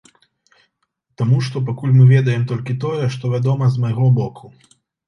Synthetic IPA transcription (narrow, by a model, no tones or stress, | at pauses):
t̪amuʂt̪ɔp̬akulʲmɨvʲɛd̪ɐjɛmt̪ɔlʲkʲit̪ɔjɛʂt̪ɔvʲad̪ɔmɐzmajɣɔbɔkʰu